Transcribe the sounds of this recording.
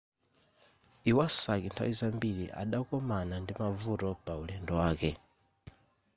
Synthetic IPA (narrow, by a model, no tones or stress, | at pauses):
iwasakintʰa̰wizambiɾḭʔa̰ɗaukɔmanandimavutɔpaulɛndɔwaːkɛ